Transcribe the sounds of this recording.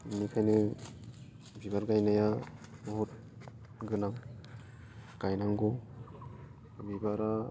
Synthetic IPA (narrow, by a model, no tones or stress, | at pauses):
mikʰajnɯ | bibaɾɡajnajamɔɦut̚ | ɡɯnaŋ | ɡ̥ajnaŋɡɔ | bibaɾa